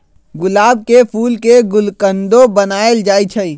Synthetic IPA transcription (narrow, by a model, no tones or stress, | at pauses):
ɡʊlaːb̚kepʰuːlkeɡʊlkə̃nd̪õbənaːeld͡ʒaːit͡ʃʰəi